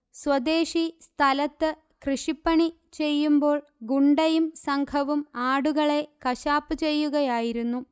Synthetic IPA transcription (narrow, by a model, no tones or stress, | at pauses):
swɐd̪e̞ːʂist̪ʰɐlɐt̪ːɨ | krɨʂipːɐɳi | t͡ɕe̞jːumbo̞ːɭ | ɡuɳɖɐjumsɐŋɡʰʱɐʋumaːɽuɣɐɭe̞kɐɕaːpːɨt͡ɕe̞jːuɣɐjaːjiɾunːu